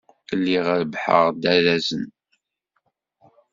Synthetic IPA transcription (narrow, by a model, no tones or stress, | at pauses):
əlːiʁəɾbħə̰ʁd̪æɾæzən